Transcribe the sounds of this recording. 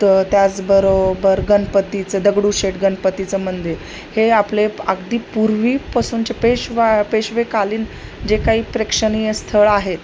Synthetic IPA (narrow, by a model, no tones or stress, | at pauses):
t̪jat͡sbəɾobəɾɡənpət̪it͡səd̪əɡɽuɕeʈɡənpət̪it͡səmənd̪iɾɾ | heapleaɡd̪iːpuɾʋiːpasuːnt͡ɕepeɕʋapeɕʋekaliːnd͡ʑekaɦiːpɾekʂəniəst̪ʰəɭaɦet̪